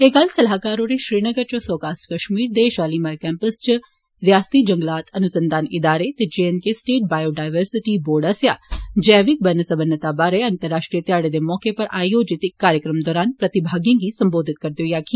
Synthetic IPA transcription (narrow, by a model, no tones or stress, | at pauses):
ɦekɐlsɐlɦaːkaːɾoɾeʃɾiːnəɡəɾt͡ʃõsɔːkaːsʈkɐʃmiːɾd̪eʃaːliːmaːɾkɛ̃ːmpəst͡ʃ | ɾjaːst̪iːd͡ʒɐ̃ŋɡlaːt̪ʰɐnʊsə̃nd̪aːnɪd̪aːɾet̪ed͡ʒeːenkesʈeːʈ̚baːjoːɖaːɪʋəɾsɪʈiboːɾɖəsjaːd͡ʒɛːʋɪk̚bɐnəsɐbənːət̪abaːɾeɐnt̪əɾːaːʃʈɾijət̪jaːɽed̪emɔːkepɐɾʔa̰ːjjoːd͡ʒɪt̪ɪkːaːɾjəkɾəmd̪ɔːɾaːnpɾɐt̪ɪbʱaːɡijãːɡisɐmboːd̪ʱɪt̪̚kɐɾt̪joːjaːkiː